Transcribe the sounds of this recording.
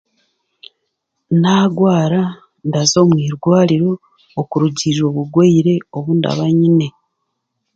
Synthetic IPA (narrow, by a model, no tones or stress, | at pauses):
naːɡwaːɾa | ndazo̞ːmwiːɾɡwaːliɾo̞ː | kuɾuɟiʒo̞ːβuɡweiɾe̞oβunda̰βaɲine̞